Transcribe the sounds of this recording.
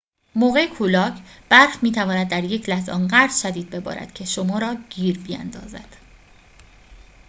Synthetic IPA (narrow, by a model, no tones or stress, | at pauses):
moːɣe̞jekʰulɒːcʰb̥æɾfmiːt̪ʰævɒːnæd̪̚ːæɾje̞cʰlæhzɒ̰ːnɢæɾz̥ʃæd̪iːd̪̚be̞bɒ̰ːɾæ̰d̪̥kcʰe̞ʃomɒːɾɒːɟ̥iːɾbiæ̰nd̪ɒ̰ːzæ̰d̪̥